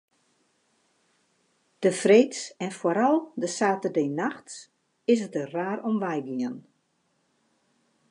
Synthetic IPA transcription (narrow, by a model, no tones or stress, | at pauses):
d̥əfreːtsɛnfoɾalˠdəsaːtərdeːnaxts | ɪsətəraːɾɔmʋɛjɡiən